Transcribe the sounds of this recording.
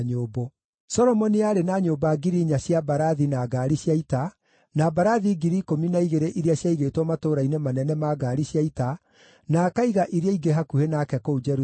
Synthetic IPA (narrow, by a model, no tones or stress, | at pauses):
ɲoːbo | sɔɾɔmɔniaɾenaɲoːbaɡiɾiɲaɕjabaɾaðinaɡaːɾiɕjaita | nabaɾaðiɡiɾikominaiɣeɾeʔiɾeaɕjaiɣeːtwɔmatoːɾainemanɛnɛmaɡaɾiɕjaita | nakaiɣaʔiɾeaiɡeɦakuhenaːkɛkoud͡ʒɛɾu